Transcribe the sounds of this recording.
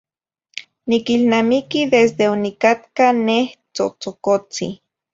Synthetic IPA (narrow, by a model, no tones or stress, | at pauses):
nikilnamikiðesd̪eonikat̪kaneht͡so̰t͡sokot͡sḭ